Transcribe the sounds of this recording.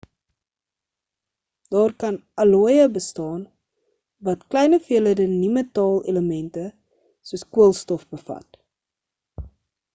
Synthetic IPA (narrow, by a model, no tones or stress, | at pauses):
d̥ɑːrkɐnɐluəjəbəstɑːn | vɐtklɛjnəfiələdənimətɑːlḛləmɛntə | suəskuəlˠstɔfbəfɐ̰t